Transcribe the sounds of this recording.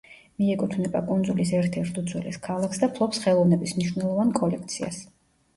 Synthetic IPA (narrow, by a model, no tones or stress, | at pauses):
miɛkʼut̪ʰvnɛba̰kʼund̪zulisɛɾt̪ʰɛɾt̪ʰud̪zwɛlɛ̰skʰalˠaksd̪apʰlˠɔpsχɛlˠɔvnɛbismniʃwnɛlˠɔvankʼɔlɛkʰt̪sʰia̰s